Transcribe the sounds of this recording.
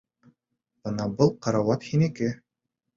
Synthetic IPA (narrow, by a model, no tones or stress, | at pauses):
bɤnɑbɤlˠqɑɾɑwɑt̪hinikɘ